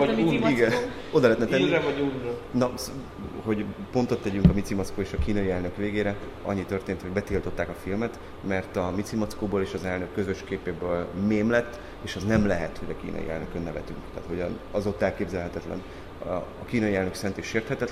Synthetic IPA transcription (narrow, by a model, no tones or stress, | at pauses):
uiɡɛ | od̪ɒlɛːt̪nɛt̪ɛivɒunɒs | ho̞ɟpo̞nt̪o̞t̪ːɛɟyŋkɒmit̪simot̪skoːeːʃɒkiːnɒjiɛlnøkʋeːɡeːɾɛ | ɒ̰ɲːit̪ørt̪eːnt̪ho̞ɟbɛt̪ilt̪o̞t̪ːaːkɒfilmɛt̪ | mɛrt̪ɒmit̪simotskoːboːleːʃɒzɛlnøkːø̞zø̞ʃkeːpeːbøːlmeːmlɛt̪ː | eːʃɒznɛmlɛɦɛ̰t̪ho̞ɟɒkḭːnɒ̰jḭɛ̰løkønːɛvɛ̰t̪y̰ŋkt̪ɛ̰ːt̪ho̞ɟɒ̰nɒzo̞t̪ːɛlkeːbzɛlɦɛt̪ɛt̪lɛ̰n | ɒkiːnɒjiɛlnø̞ksɛnt̪iʃːeːrt̪hɛt̪ɛt̪